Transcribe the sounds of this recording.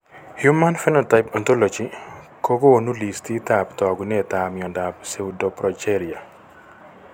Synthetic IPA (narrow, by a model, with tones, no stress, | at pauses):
hjuma˦nfɛ˦nɔ˨ta˨ɪpa˨nto˦lod͡ʒi˦ | ko˦ɡo˦o˨nu˦li˨sti˦taptɔ˨ɡni˦ɛ˨tamɪɔ˨nda˨pse˨udɔpɾɔt͡ʃɛɾia˨